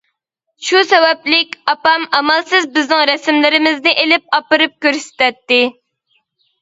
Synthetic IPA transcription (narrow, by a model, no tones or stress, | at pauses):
ʃusɛwɛplɪkʲɑpɑmɑmɑlˠsɨzbɪznɪŋɾɛsɪmlɪɾɪmɪznɪʔelɪp̚ɑpɨɾɨp̚kʲøɾsɪ̥t̪ɛt̪ːɪ